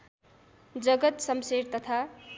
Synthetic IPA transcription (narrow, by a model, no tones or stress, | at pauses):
d͡zʌɡʌt̪sʌmseɾt̪ʌt̪ʰa